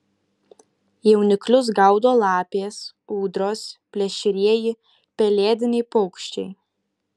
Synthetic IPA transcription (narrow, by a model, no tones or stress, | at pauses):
jɛʊnʲɪklʲʊs̬ɡɐˑʊd̪oːlˠɑːpʲeːs | uːd̪ɾoːspʲlʲɛʃʲɪɾʲiɛjɪ | pʲɛlʲeːd̪ʲɪnʲɛɪpɔʊkʃʲt͡ʃʲɛɪ